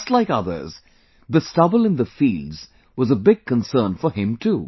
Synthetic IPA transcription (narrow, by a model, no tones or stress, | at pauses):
stˡlaɪkʌðə̰˞z | ðɨstʌbl̩ˠɨ̃nðəfildz̥ | wʌzəbɪɡ̚kə̃nsɜ̃˞nfə˞ɪ̃mtʰu